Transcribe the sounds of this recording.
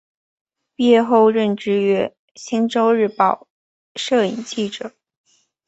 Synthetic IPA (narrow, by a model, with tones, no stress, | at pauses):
pjɛ˥˧xo˥˧ʊɻə˥˩nʈ͡ʂɻ̩˥˧ɥɛ˥ | ɕi˥nʈ͡ʂo˥ʊɻ̩˥˩˧pɑ˥˩ʊ | ʂɤ˥˩i˨˩ŋt͡ɕi˥˩ʈ͡ʂɤ˨˩˦